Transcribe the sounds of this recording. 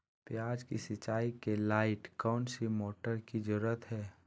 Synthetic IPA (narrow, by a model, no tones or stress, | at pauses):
pjaːd͡ʒkisɪt͡ʃaːikelaːɪʈkɔːnsimoːʈəɾkid͡ʒʊɾət̪ɦɛː